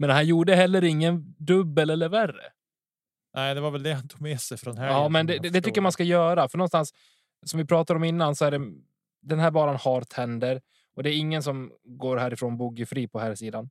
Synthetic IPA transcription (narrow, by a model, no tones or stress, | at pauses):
mɛnhanjuːɖəɦɛlːəɾɪŋːənd̪ɵbːəlɛlːəɾværə̰ | nʔɛɪd̪ɛvaɾvɛld̪ɛhant̪ʰuɡmɛsɛjfɾɔnhɛmɛnd̪ɛɛd̪ɛt̪ʏkːəjamanskajœːɾafœɳɔnst̪ans | sɔmvɪpʰɾɑːt̪ad̪ɾɔmɪnːansɔæɖɛ | d̪ɛnhæːɾbɑːɾanhɑːɾt̪ʰɛnd̪əɾ | ɔd̪ɛːɾɪŋːəns̬ɔmɡoːɾɦæːɾɪfɾoːnbuːɡəfɾiːpʰɔhæːɾsiːd̪an